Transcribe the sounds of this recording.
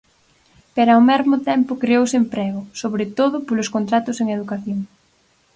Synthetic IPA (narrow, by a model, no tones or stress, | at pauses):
peɾawmɛzmʊt̪ɛmpʊkɾeowsempɾɛɣʊsoβɾet̪oðʊpolʊskont̪ɾat̪ʊseŋeðukaθjoŋ